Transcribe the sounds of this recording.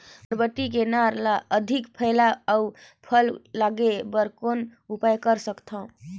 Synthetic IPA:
əɾbəʈːik̬enaɾlaʔəd̪ʱikpʰəɪlaaupʰəlːaɡebəɾkonupajkəɾsəkt̪ʰə̃

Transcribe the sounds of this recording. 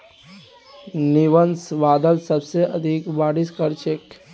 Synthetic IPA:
niʋənsʋaːd̪əlsəbseʔɐd̪ʱikʋaːɽiskəɾt͡ʃʰek

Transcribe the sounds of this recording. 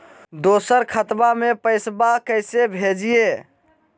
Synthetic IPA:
d̪osəɾkʰət̪bamepəɪsbakəɪsebʱed͡ʒije

